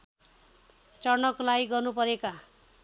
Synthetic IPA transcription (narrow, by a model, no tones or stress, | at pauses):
t͡sʌrnʌklajɡʌrnupʌɾeka